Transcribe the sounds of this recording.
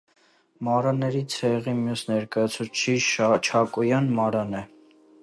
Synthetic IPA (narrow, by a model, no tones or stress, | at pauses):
mɑɾɑnɛɾit͡sʰɛʁimjusnɛɾkɑjɑt͡sʰut͡ʃʰit͡ʃʰɑkɔjɑnmɑɾɑnɛ